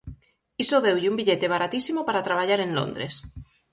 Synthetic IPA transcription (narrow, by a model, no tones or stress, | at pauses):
isoðewʎumbiʎet̪e̞β̞aɾat̪isimopaɾat̪ɾaβ̞aʎaɾe̞nlo̰nd̪ɾes